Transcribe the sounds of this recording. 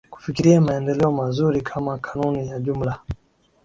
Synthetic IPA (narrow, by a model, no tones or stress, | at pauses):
ku̥fikiɾiamaɛndɛlɛɔmazuɾikʰamakʰḁnunijaʄum̩la